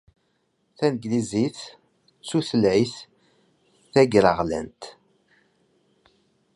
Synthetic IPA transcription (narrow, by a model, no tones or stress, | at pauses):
θænɡliziθ | t͡sːuθəlʕiθ | θæɡɾəʁlæ̰nt̪